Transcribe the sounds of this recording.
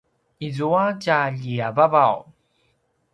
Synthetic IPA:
izuacaʎiavavaw

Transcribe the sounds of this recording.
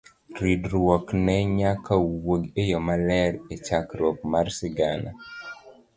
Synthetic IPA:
ɾidɾwɔknɛɲakawoɡejɔmalɛɾet͡ʃakɾwɔk̚marsɪɡana̰

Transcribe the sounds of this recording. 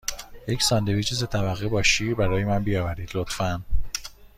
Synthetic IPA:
je̞csɒːnd̪e̞viːt͡ʃʰizet̪ʰævæɣːebɒːʃiːbæɾɒːjemænbijɒːvæɾiːd̪lot̪fæn

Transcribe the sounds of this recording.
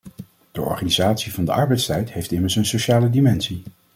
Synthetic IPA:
d̥əʔɔ̰ɹχaːnizaːtsivɑndə̰ʔɑɹbɛjtstɛjtɦejftɪməɹsənsoʃaːlədimɛnsi

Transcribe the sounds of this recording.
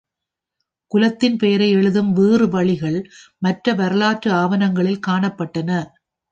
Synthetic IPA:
kʊlɐt̪ːɪnpejɐɾɐɪɛɭɯðɯmʋeːrɯʋɐɭɪɣɐɭmɐʈrɐʋɐɾɐlaːʈrɯaːʋɐnɐŋɡɐɭɪlkaːɳɐpːɐʈːɐnɐ

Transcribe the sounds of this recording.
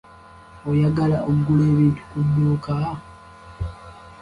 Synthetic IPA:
ojaɡalaʔoɡuleːβiːntu̥kudːoːka

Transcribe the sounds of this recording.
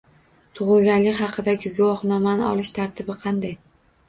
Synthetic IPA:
t̪ʰʊʁɨlˠɡʲanlɪkʲhɑqʰɨd̪aɡʲɪɡʊwɒχnɒmanɪɒlɪʃt̪ʰaɾt̪ʰɪbɪqʰɑnd̪aj

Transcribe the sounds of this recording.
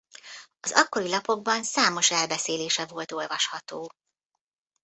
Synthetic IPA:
ɒzɒkːo̞ɾilɒpo̞ɡ̚bɒnsaːmo̞ʃɛlbɛseːleːʃɛvo̞lt̪o̞lvɒʃhɒt̪oː

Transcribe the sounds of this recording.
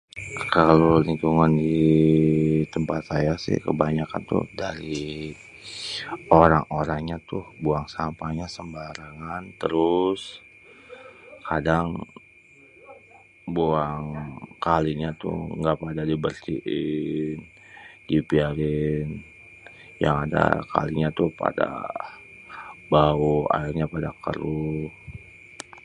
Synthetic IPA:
kaloliŋkuŋandi | t̪əmpat̪̚sajasɪ̰hkə̰baɲaka̰nt̪ʊ̰hdaɾi | oɾaŋoɾaŋɲat̪ʊhboaŋsampaɲasəmbaɾaŋant̪əɾʊs | kʰadaŋ | buaŋkaliɲat̪ʊ̰ŋɡapadadibərsiʔɪn | dipiaɾɪn | ja̰ŋada̰kʰa̰liɲat̪ʊhpa̰da̰ | baua̰ɪrɲapadakə̰ɾu

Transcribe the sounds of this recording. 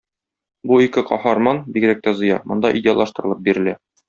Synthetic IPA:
buikɘqɒhɑɾmɑnbiɡɾæk̚t̪æzɤ̆jɑ̰mŏnd̪ɑʔidʲeaɑlˠɑʃt̪ɤ̆ɾɤ̆lˠɤp̚biɾɘ̆læ

